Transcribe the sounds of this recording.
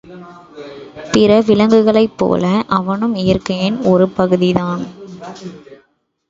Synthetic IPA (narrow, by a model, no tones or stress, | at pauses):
pɪɾɐʋɪlɐŋɡɯɣɐɭɐɪpːo̰ːlɐʔɐʋɐnɯmɪjɐrkɐɪnɔɾɯpɐɣɯðɪðaːn